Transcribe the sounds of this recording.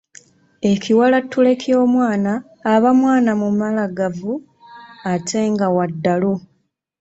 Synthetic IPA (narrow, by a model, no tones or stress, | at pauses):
e̞ciwalatːule̞kʰjo̞ːmwaːnaː | βamwaːnamumalaɡavu | atʰe̞ŋɡawadːalu